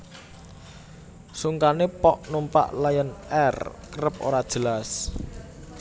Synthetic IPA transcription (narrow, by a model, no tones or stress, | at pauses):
suŋkanepɔʔnumpa̰ʔlajənɛrkəɾəp̚o̰ɾad̥ʒ̥əlas